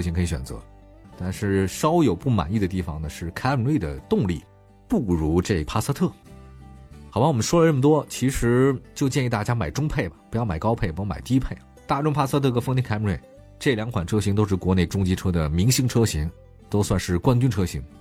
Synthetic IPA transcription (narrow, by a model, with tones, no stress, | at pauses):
ɕi˧˥ŋkʰə˧˥i˧˩ɕɥɛ̰˨˩nt͡sɤ̰˧˥ | t̪a˥˧nʂɻ̩˥˩ʂɑ˥ʊjo˨˩ʊpu˥˩ma̰˨˩ni˥˩d̪ə˩t̪i˥˩fɑ˨˩ŋnə˩ʂɻ̩˥˩kʰa˥ɪpnlwe˥˩ɪd̪ə̰˩t̪ʊ˥˧ŋli˥˩ | pu˥˩ɻu˧˥ʈ͡ʂe˥˩i˧˩pʰa˥sa˥t̪ʰɤ˥˩ | xɑ˨˩pa˥wɔ˨˩ə˦nʂwɔ˥lə˧ʈ͡ʂə˥˩mət̪wɔ˥t͡ɕʰi˧˥ʂɻ̩˧˥t͡ɕjo˥˧ʊt͡ɕjɛ˥˧i˥˧t̪a˥˩t͡ɕja˥ma˨˩ɪʈ͡ʂʊ˥ŋpʰe˥˩ɪbɐ˨˩pu˧˥jɑ˥˩ʊma˨˩ɪkɑ˥pʰe˥˩ɪpu˧jma̰˨˩ɪt̪i˥pʰe˥˩ɪ | t̪a˥˩ʈ͡ʂʊ˥ŋpʰa˥sa˥t̪ʰɤ˥˩˧ə˧fŋt̪̬ʰi˥˩ka˥pnwe˥˩ | ʈ͡ʂɤ˥˩ljɑ˧˥ŋkʰwa˨˩nʈ͡ʂʰɤ˥ɕ̬i˧˥ŋt̪o˥ʊʂɻ̩˥˩kwɔ˧˥ne˥˩ɪʈ͡ʂʊ˥ŋt͡ɕi˧˥ʈ͡ʂʰɤ˥d̪ə˨˩mi˧˥ŋɕi˥ŋʈ͡ʂʰɤ˥ɕi˧˥ŋ | t̪o˥ʊswa˥˧nʂɻ̩˥˩kwa˥nt͡ɕy˥nʈ͡ʂʰɤ˥ɕi˧˥ŋ